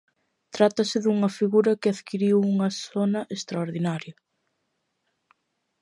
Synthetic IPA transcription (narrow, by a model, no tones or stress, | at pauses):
t̪ɾat̪ɐsɪðuŋɐfiɣuɾɐkɪaðkiɾiwuŋɐsonɐʔest̪ɾɐoɾðinaɾjɐ